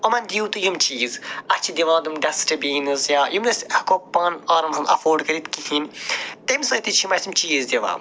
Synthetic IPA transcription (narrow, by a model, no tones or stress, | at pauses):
ɐmɐnʲd̪ʲiwt̪ɨjumt͡ʃiːzɐt͡ʃʰid̪ʲiʋãːd̪umɖɐsʈɐbiːnɐzjaːjumnɐskopːaːnaːɾɐmɦɐmɐ̰foːɾɖkɐɾit̪kihint̪ɐmisɐt̪it͡ʃʰimɐsimt͡ʃiːzd̪ʲeʋa̰ːm